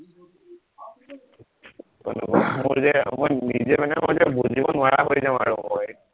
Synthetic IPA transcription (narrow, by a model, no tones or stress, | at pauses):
ɔ̰nɔ̰kmʊɹzɛmojnizɛmanɛmoɹzɛbuzibɔnʊaɹaɦojzaʊ̃aɹʊ̰ʔɔj